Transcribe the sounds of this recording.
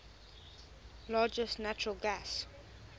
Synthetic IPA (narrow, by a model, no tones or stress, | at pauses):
lɑːd͡ʒəstnat͡ʃɹəlˠɡas